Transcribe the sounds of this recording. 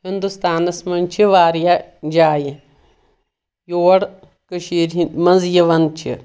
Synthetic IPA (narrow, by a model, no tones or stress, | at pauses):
ɦind̪ust̪aːnɐsmɐnʲt͡ʃʰiʋaːɾjad͡ʒaːji | joːɽ | kɨʃiːɾmɐnzjɐʋɐnt͡ʃʰḭ